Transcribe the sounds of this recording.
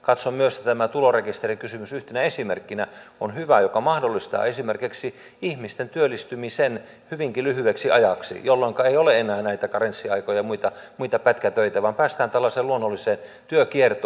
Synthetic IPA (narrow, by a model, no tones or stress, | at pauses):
kɑt̪sommyøst̪t̪æmæt̪ulorekist̪erikysymysyht̪enæesimerkːinæonhyʋæjokɑmɑhdolːist̪ɑ̰ːesimerkiksi | ihmist̪ent̪yølːˑist̪ymisen | hyʋiŋkilyhyeksiʔɑjɑksḭjolːoŋkɑeioleenˑæːnæit̪ækɑrensːiɑikojɑmuit̪ɑmuit̪ɑpæt̪kæt̪øit̪æʋɑmpæːst̪æːnt̪ælːæseːluonːolːiseːn | t̪yøkiert̪o